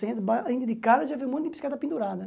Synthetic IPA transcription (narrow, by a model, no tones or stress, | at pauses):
sẽt̪baĩnd̪ɪd̪ɪkaɾɐʒaviwmũjt̪ɪ̃pi̥skad̪ɐpĩnd̪uɾad̪ɐ